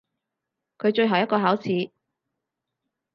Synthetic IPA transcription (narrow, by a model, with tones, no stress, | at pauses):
kʰɵ˨˧ɥt͡ʃɵ˧ɥɦɐ˨wjɐ˥t̚kɔː˧haː˨˥wt͡sʰiː˨˧˥